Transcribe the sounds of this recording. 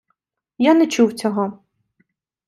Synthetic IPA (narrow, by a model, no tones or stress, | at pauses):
janɛt͡ʃuwt͡sʲɔɦɔ